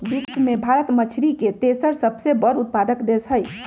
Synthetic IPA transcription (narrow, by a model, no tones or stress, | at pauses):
biksmebʱaɾət̪mət͡ʃʰɾiket̪esəɾsəbsebəɾut̪̚pad̪əkd̪esəj